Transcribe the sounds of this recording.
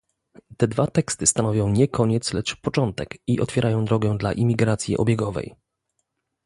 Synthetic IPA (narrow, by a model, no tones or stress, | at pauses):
t̪ɛd̪vat̪ɛkst̪ɘst̪anɔvʲjɔ̃w̃ɲɛkʰɔɲɛt̪slɛt͡ʂpɔt͡ʂɔnt̪ɛkiʔɔ̰t̪fʲɛɾʔajɔ̃w̃d̪ɾɔɡɛd̪la̰ʔimʲiɡɾat̪sʲjḭʔɔ̰bʲjɛɡɔvɛ̰j